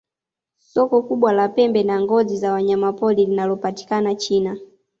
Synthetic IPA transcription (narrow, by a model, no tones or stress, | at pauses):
sɔkɔkuɓwalapɛmbɛnaŋɡɔzizawaɲamapɔlilinalɔpati̥kanat͡ʃiːna